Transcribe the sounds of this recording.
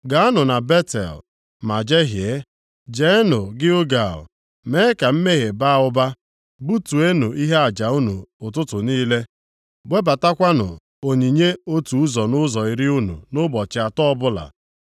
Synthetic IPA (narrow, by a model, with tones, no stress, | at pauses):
ɡa˨a˦nʊ˨na˨be˦tḛ˨l | ma˨d͡ʒe˦ɦje˨˦ | d͡ʒe˨˦nʊ˨ɡɪ˦ʊ˦ɡa˨ʊ̰˨ | me˦ka˨m̩˦me˦ɦe˨ba˦ʊ˦ba˦ | bu˦tu˨e˦nu˨ʔi˦ɦe˦a˨d͡ʒa˨u˦nu˨ʊ˨t̬ʊ˦tʊ˨niː˦le˦ | ɡ͡bʷe˦ba˨ta˦kʷa˦nʊ̰˨ | o˨ɲi˨ɲe˦o˦tu˨u˦zɔ˨nʊ˦zɔ˨i˨ɾɪ˦u˦nṵ˨nʊ˦bɔ˨t͡ʃɪ˨a˨tɔ˦bʊ˦la̰˨